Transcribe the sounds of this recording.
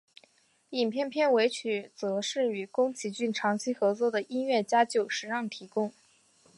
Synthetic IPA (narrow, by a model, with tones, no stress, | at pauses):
i˨˩npʰjɛ˥˧npʰjɛ˥˩nwe˧˥ɪt͡ɕʰy˨˩t͡sɤ˧˥ʂɻ̩˥˩y˨˩kʊ˥ŋt͡ɕʰi˧˥t͡ɕy˥˩nʈ͡ʂʰɑ˧˥ŋt͡ɕʰi˥xɤ˧˥t͡swɔ˥d̪ə˨ʔi˥nɥɛ˥˩t͡ɕja˥t͡ɕjo˥˨˩ʊʂɻ̩˧˥ɻɑ˥˩ŋt̪ʰi˧˥kʊ˥ŋ